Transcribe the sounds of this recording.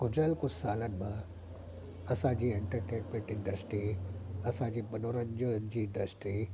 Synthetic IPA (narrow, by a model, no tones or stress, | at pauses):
kʊd͡ʑəlkʊssaːlənɪ̆mã | ɐsãd͡ʑiːeɳʈəɾʈeʈmẽʈɪ̃ɳɖəsʈɾiɐsãd͡ʑiːbɐnoːɾənd͡ʑond͡ʑiːɪ̃ɳɖəsʈɾiː